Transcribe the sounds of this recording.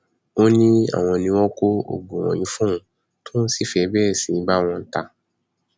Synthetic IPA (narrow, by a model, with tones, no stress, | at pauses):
o˦nĩ˦a̰˦˨w̃ɔ̃˧nĩ˧w̃ɔ̃˦ko˦o̰˨ɡ͡bũ˨w̃ɔ̰̃˨jĩ˨˦fũ˦ũ˦ | to˦n̩˦si˦˨fɛ˧˦bɛː˦˨sĩ˨˧˦ba˦w̃ɔ̃˧n̩˦ta˧